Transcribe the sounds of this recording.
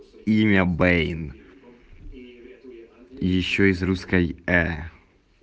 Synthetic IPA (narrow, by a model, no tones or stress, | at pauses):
imʲɐbɛjn | jɪɕːoɪzruskɐjɛ